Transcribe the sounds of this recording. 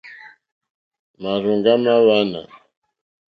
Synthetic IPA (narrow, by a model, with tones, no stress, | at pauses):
ma˨ɾu˨ŋɡa˦ma˦wa˦na̰˨